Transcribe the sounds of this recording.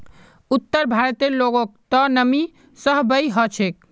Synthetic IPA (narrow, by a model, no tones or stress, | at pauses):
ut̪ːəɾbʱaɾt̪eloɡok̚t̪ɔnəmi | səɦbəjɦət͡ʃʰek̚